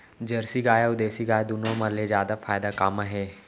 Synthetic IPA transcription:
d͡ʒəɾsiɡaːjaud̪eːsiɡaːjd̪unomalezjaːd̪afaːjd̪akamaɦe

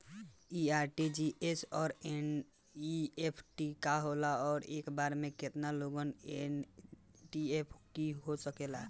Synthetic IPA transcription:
iaɾʈid͡ʒiesɔːɾen | iepʰʈikaɦolaɔːɾekbaɾmeket̪naloɡənen | ʈiepʰkiɦosəkela̰

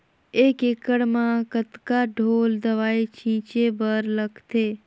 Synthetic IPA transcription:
eːkeːkəɽmãkət̪kaɖʱoːld̪əʋaːit͡ʃʰĩːt͡ʃebəɾləɡt̪ʰeː

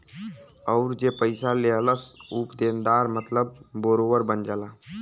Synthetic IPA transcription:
əʊɾd͡ʒepəjsaleɦələsupd̪end̪aɾmət̪ləbboɾoʋəɾbənd͡ʒala

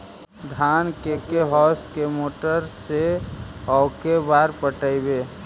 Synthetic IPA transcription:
d̪ʱankekeɦɔskemoːʈəɾseɔʊkebaɾpəʈəɪbe

